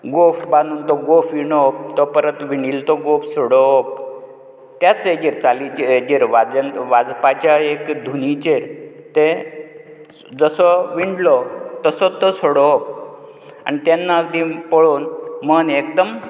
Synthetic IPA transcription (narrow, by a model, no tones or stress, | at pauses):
ɡofbanuːnt̪ɔɡofiɳɔp̚t̪ɔpəɾət̪ʋiɳiːlt̪ɔɡofsɔɽɔp̚ | t̪jat͡sed͡ʑeɾt͡salit͡ɕed͡ʑeɾʋad͡zənʋad͡zpat͡ɕaekd̪ʱunit͡ɕeɾt̪e | d͡zəsɔʋiɳɖlɔt̪əsɔt̪ɔsoɽɔp̚ | a̰nit̪enːakd̪ĩpəɭonmənekd̪əm